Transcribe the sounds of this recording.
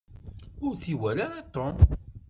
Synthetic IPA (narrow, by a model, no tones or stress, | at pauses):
ʊɾθiwælaɾɑt̪ːɔn